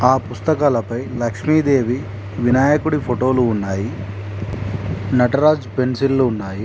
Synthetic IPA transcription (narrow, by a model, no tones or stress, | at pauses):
aːpust̪ɐkaːlɐpɐjlɐkʂmiːd̪e̞ːʋi | ʋinaːjɐkuɽipʰoʈo̞ːluːnːaːji | nɐʈɐɾaːd͡ʒpe̞nsilːuːnːaːji